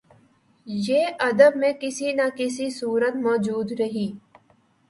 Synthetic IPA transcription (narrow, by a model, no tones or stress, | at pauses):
jeːʔɐd̪əbmẽkɪsinakɪs̬isuːɾət̪mɔːd͡ʒuːd̪ɾɐɦiː